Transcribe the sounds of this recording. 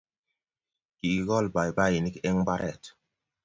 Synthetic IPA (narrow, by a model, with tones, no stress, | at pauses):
ki˨ki˨ɡɔ˦lba˨jba˦ji˨ni˦kɛ˦ŋba˦ɾʔɛ˦˨t